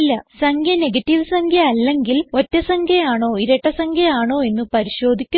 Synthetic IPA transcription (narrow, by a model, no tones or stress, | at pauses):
lːɐsɐŋkʰjɐneɡɐtːiʋɨsɐŋkʰjɐɐlːe̞ŋɡilo̞tːɐsɐŋkjɐjaːɳoːiɾɐʈːɐsɐŋkʰjɐaːɳoːe̞nːɨpɐɾiɕo̞ːd̪ʱikʲːu